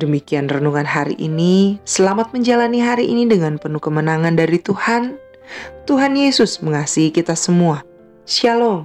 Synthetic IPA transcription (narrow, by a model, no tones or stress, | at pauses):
dəmikianrənuŋanɦaɾḭʔḭnisəlamat̪̚məɲd͡ʒalaniɦaɾiʔinidəŋanpənukəmənaŋandaɾit̪uhan | t̪uɦanjesʊsməŋasiɦikit̪asəmua | sialoŋ